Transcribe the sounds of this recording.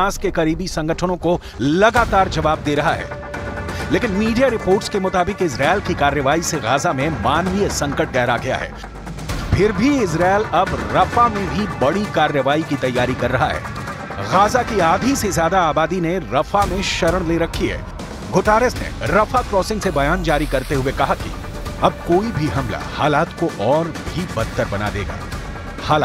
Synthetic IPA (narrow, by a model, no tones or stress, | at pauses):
aːskekɐɾiːbisɐ̃ŋɡəʈʰəñõko | lɐɡaːt̪aːɾd͡ʒɐʋaːb̚d̪eːɾɐɦaɦɛ̰ː | leːkɪnmiːɖijaɾɪpoːɾʈskemʊt̪aːbɪqɪsɾaːɪlkikaːɾjəʋaːiseɣaːzamẽmaːnʋijsɐ̃ŋkəʈ̚ɡɛɦɾaɡɐja̰ɦɛ̰ː | pʰɪɾbʱiɪzɾaːɪlɐbɾɐfamẽbʱibɐɽikaːɾjəʋaːikit̪ɐjːaːɾikɐɾːɐɦa̰ɦɛ̰ː | ɣaːzakiaːd̪ʱisezjaːd̪aaːbaːd̪ineɾɐfamẽʃɐɾəɽ̃leɾɐkʰːiɦɛ̰ː | ɡʱoːʈaːɾəsnḛɾɐfakɾɔːsɪ̃ŋɡsebɐjaːnd͡ʒaːɾikɐɾt̪eɦʊekɐɦaki̥̰ | ɐb̚koːibʱiɦɐmla̰haːlaːt̪koʔɔːɾ | bʱibɐt̪ːəɾbɐna̰d̪ḛːɡa̰ː | haːlaː